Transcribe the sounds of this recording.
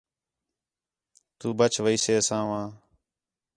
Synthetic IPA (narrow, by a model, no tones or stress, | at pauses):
t̪uːbət͡ʃʰʋəiːseːsãːʋãː